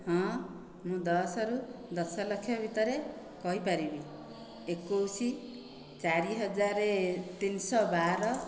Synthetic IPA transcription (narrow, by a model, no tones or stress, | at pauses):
hɔ̃ | mũd̪ʌsʌɾud̪ʌsʌlʌkʰːjʌbʱit̪ʌɾe | kʌɦipaɾibi | ekːowsi | t͡saɾiɦʌd͡zaɾet̪insɔbaɾʌ